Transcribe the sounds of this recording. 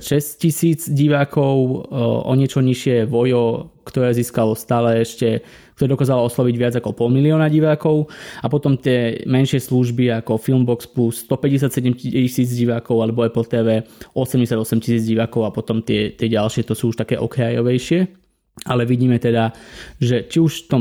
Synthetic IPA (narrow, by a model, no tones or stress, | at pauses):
ʃɛsccisiːd͡zɟiʋaːkʰɔʊɔ̰ɲɪɛt͡ʃɔɲiʃɪɛʋɔjɔkt̪ɔɾɛːziːskalɔst̪aːlɛɛʃcɛ | k̚t̪ɔɾɛd̪ɔkaːzalɔɔslɔʋiɟʋɪad͡zakɔpɔlmiliɔːnaɟiʋaːkɔʊapɔt̪ɔmt̪ɪɛmɛnʃɪɛsluʒbiakɔfilmbɔksplust̪ɔpɛɟɛs̬jat̪sɛɟɛmciisiːd͡zɟiʋaːkɔʊalɛbɔɛpɛlt̪ɛːʋɛːɔsɛmɟɛsɪad̪ɔsɛmcisiːd͡zɟiʋaːkɔʊapɔt̪ɔmt̪ɪɛt̪ɪɛɟalʃɪɛt̪ɔsuːuʃt̪akɛːʔɔkɾajɔʋɛjʃɪɛ | alɛʋiɟiːmɛt̪ɛd̪aʒɛt͡ʃiuʃt̪ɔ